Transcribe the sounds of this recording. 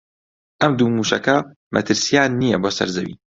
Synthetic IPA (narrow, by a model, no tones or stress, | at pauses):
ʔɐmd̪uːmuːʃɐkɐ | mʔɐt̪ʰɨɾsijaːnːijɛboːsɐ̰ɾzɐwḭː